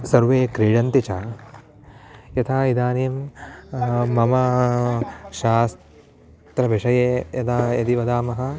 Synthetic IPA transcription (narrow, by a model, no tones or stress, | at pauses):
sɐɾʋeːkɾiːɻɐnt̪it͡ʃaː | jɐt̪ʰaːid̪aːnijm | ɐmɐ | ʃaːs | t̪ɾɐbʱiʂɐjeːjɐd̪aːjɐd̪iʋɐd̪aːmɐɦɐ̆